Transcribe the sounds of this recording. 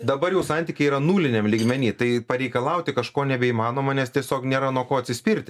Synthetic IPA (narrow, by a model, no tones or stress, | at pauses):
d̪ɐbɐɾjɛʊsɑnʲt̪ʲiːkʲɪiːɾɐnuːlʲɪnʲɛmlʲiːɡmʲɛnʲiːt̪ɐɪpɐɾʲɛɪkɐlˠɐʊt̪ʲɪkɐʃkoːnʲɛbʲɛimɑːnoːmɐnʲɛst̪ʲiɛsʲoːknʲeːɾɐnuɔkoːɐt̪ʲsʲɪsʲpʲɪɾʲt̪ʲɪ